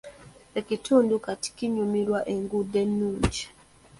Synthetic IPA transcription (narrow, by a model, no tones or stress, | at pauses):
ekitʰuːndukati̥kiɲumiɾwaʔeŋɡudenːuːɲd͡ʒi̥